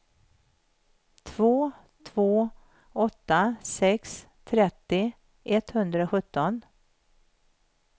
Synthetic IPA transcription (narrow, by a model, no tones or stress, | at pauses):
t̪ʰvoː | t̪ʰvoː | ɔt̪ːasɛks | t̪ʰɾɛt̪ːɪ | ʔɛt̪hɵnd̪ɾaɔɧɵt̪ːɔn